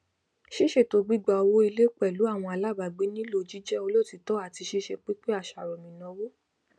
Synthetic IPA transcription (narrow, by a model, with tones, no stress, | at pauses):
ʃe˦ʃe˦˨to˧ɡ͡bi˦ɡ͡ba˧ɔ˧wo˦i˧le˦k͡pɛ˦˨lu˨˦a˦˨w̃ɔ̃˧a˧la˦˨ba˨ɡ͡be˨˦nĩ˦lo˧˨d͡ʒi˦d͡ʒɛ˦o˧lo˦˨ti˧tɔ˦a˦˨ti˧ʃe˦ʃɛ˧k͡pe˦k͡pe˦a˦˨ʃa˨ɾɔ˨mĩ˨nɔ̃˨˧˦wo˦